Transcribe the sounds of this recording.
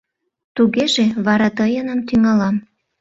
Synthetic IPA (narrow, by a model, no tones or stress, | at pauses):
t̪uɣeʒeβɑɾɑt̪əjənəmt̪yŋɑlɑm